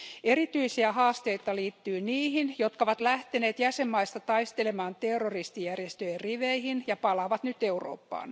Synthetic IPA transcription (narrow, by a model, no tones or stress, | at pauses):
erit̪yisiæhɑːst̪eit̪ɑliːt̪ːyːniːhinjot̪kɑoʋɑt̪læht̪eneːt̪jæsemːɑist̪ɑt̪ɑist̪elemɑːnt̪erːorist̪ijærjest̪øjerriʋeihinjɑpɑlɑːʋɑt̪nyt̪euro̰ːpːɑ̰ːn